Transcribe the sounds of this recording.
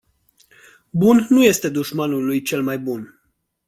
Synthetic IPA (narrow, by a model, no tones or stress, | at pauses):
bunːuje̞st̪e̞d̪uʃmanulujt͡ʃe̞lmajbun